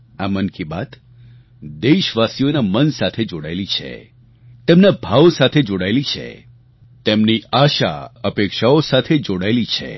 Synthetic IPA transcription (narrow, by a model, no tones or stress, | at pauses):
amənkiba̰t̪ | d̪eʃʋasijonamənsat̪ʰed͡ʒoɽa̰jlit͡ʃʰḛ | t̪emnabʱaʋsat̪ʰed͡ʒoɽajlit͡ʃʰḛ | t̪emniaʃa̰əpekʃaosat̪ʰed͡ʒoɽajlit͡ʃʰḛ